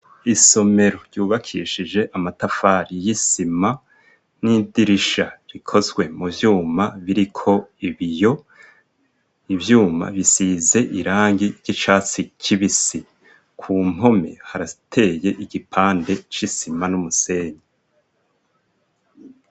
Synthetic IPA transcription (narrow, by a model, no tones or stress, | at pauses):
iso̞me̞ɾo̞ɾjuːβakʰiːʃid͡ʒe̞ʔamatafaːɾijisima | nidiɾiʃaɾikʰo̞zɡwe̞muvjuːmaβiɾikʰo̞iβijo̞ | ivjuːma̰βisize̞ʔiɾaːŋɡiɾɟ̥it͡ʃaːt͡sicʰiβisi | kʰuːm̥o̞me̞̰haɾatʰe̞ːjeʔiɡipʰaːnde̞t͡ʃisimanumuse̞ːɲa